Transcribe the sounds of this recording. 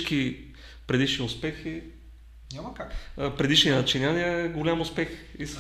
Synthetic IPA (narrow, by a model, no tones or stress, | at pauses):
ki | pɾɛd̪iʃniʊspɛxi | ɲʲamkapɾɛd̪iʃninɐt͡ʃinʲaniəɛɡolʲamʊspɛxis